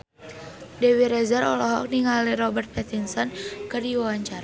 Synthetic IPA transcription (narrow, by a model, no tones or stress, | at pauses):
dɛwiɾɛzaɾɔlɔɦɔ̰k̚niŋaliɾɔbɛrt̪̚pɛt̪insɔnkɨrdiwawaɲt͡ʃaɾa